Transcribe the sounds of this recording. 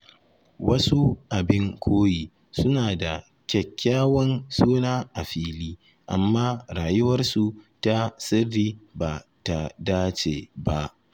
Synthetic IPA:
wɐ˦su˦ʔa˨bɪ˦ŋkʷʰoː˦jiː˨ | sʊ˦naː˨da˨ | kʲɛ˨kʲʰːaː˦wɐ˦nsoː˦naː˦ʔa˨ɸiː˦liː˦ | ʔa̰˨mːaː˦ɾaː˨jʊ˦wɐ˦rsu˨ta˦sɪ˦rːiː˦ba˨ta˨daː˦t͡ʃḛː˨ba˦ʔ

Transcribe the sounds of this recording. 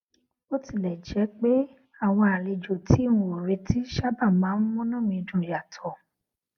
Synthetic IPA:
o˦ti˦˨lɛ˨d͡ʒɛ˨˦k͡pe˦ | a˦˨w̃ɔ̃˧a˨le˨d͡ʒo˨tʰi˨˦ũ˧˦o˨ɾe˧ti˨˦ʃa˦ba˦˨mãː˨˦n̩˦mũ˦nũ˦˨mĩ˧dũ˨ja˨tʰɔ˨

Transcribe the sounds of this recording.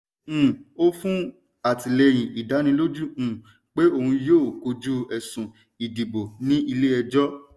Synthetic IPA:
o˦fũ˦ | a˨ti˨le˧j̃ĩ˨i˨da˨˦nĩ˧˦lo˦d͡ʒũ˦˨ | k͡pe˦o˦˧hũ˧joː˦˨ko˧d͡ʒu˦ɛ˨sũ˨ | i˨di˨bo˨nĩ˦i˧le˦ɛ˧d͡ʒɔ˦

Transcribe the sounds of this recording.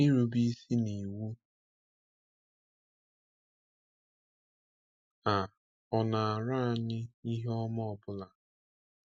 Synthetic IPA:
i˦ɾu˨bi˦si˦ni˨wu˦ | a˨ | ɔ˨na˨a˨ɾa˦a˨ɲɪ˦i˦ɦɔ˦mɔ˦ɔ˨bʊ˦la˨

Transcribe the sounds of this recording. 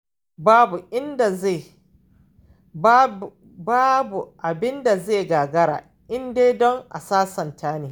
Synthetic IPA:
baː˦bu˨ʔɪ˦nda˨e˦˨˦ | baː˦bu˨ʔa˨bɪ˦nda˨zeː˦˨ɡaː˨ɡɐ˦ɾa̰ː˨ | ʔɪ˦ndeː˦dɔ˦ŋʔa̰˨saː˦sɐ˨ntʰaː˦neː˨

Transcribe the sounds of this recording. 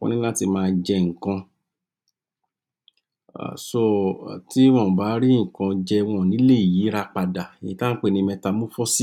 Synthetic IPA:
kɔ̰̃˧nĩ˦la˦ti˧mãː˧d͡ʒɛ˧ŋ̩˨kã˧˨ | so˦˧˨ti˦w̃ɔ̃˧˨ba˨˦ɾi˦ŋ̩˨kã˧d͡ʒɛ˧w̃ɔ̃˧˨nĩ˨˦le˦˨i˨ji˨˦ɾa˧k͡pa˧da˨e˨jĩ˧˦ta˦n̩˦k͡pe˦˨nĩ˧mɛ̃˧ta˧mũ˦fɔ˦si˦

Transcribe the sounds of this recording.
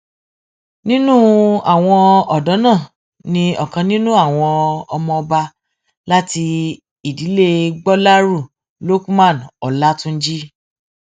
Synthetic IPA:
nĩ˦nũ˦a˦˨w̃ɔ̃˧ɔ˨dɔ˨˦nãː˦˨ | nĩ˧ɔ˨kã˧nĩ˦nũ˦a˦˨w̃ɔ̃˧ɔ˧mɔ̃˧ɔ˧ba˧ | la˦ti˧ | i˨di˨˦le˦ɡ͡bɔ˦la˦ɾu˦˨ | lo˦kmã˦˨nɔ˨la˦tũ˦n̩˦d͡ʒi˦

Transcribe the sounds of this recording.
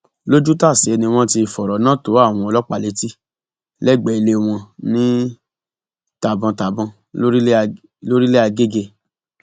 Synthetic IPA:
lo˦d͡ʒu˦ta˦˨si˨ɛ˧nĩ˧w̃ɔ̃˦ti˧˨fɔ˨ɾɔ˨˦nãː˦to˨˦a˦˨w̃ɔ̃˧ɔ˧lɔ˦k͡pa˦˨le˨˦ti˦ | lɛ˦˨ɡ͡bɛ˨i˧le˧o˧w̃ɔ̃˧nĩ˦ | ta˨bã˧ta˨bɔ̃˧ | o˦ɾi˦ | lo˦ɾi˦le˦a˧ɡe˦ɡe˧

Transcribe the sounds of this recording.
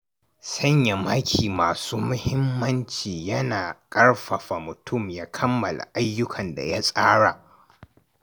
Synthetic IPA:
sɐ˦ɲja˨ma˦kʲʰiː˨maː˨suː˦mʊ˦hɪ˦mːɐ˦nt͡ʃiː˨jɐ˦naː˨kʼɐ˦ɽɸɐ˨ɸa˨mʊ˨tʊ˦˨mjaː˦kʰɐ˦mːɐ˨la̰˨ʔa˦jːʊ˦kʰɐ˨nda̰˨ja˦sʼaː˦ɽa˨ʔ

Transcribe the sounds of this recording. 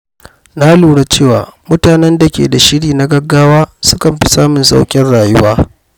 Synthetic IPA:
na˦luː˨ɽa˦t͡ʃeː˦˨wa̰ː˨mʊ˦taː˨nɛ˦nda˨kʲḛː˨da˨ʃɪ˦ɽiː˨na˦ɡɐ˦ɡːaː˦waː˦sʊ̥˦kɐ˨mɸi˦saː˦mʊ˨nsa̰˦wkʲʼɪ˦nɽaː˨jʊ˦waː˦

